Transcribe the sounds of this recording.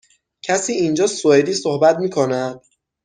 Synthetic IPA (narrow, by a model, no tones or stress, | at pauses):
cʰæsiːind͡ʒɒːsoed̪iːsohbæt̪miːkʰonæd̪̥̚